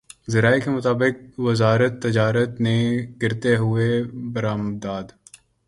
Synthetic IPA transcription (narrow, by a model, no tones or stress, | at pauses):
zɐɾaːekemʊt̪aːbɪk̚ʋɐzaːɾət̪ːɐd͡ʒaːɾət̪neɡɪɾt̪eɦʊebɐɾaːmd̪aːd̪